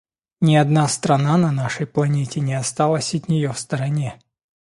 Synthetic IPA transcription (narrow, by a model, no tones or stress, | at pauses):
nʲɪɐd̪nast̪ɾɐnanɐnaʂəjplˠɐnʲetʲɪnʲɪɐst̪alˠəsʲɐt̪ʲnʲɪjofst̪əɾɐnʲe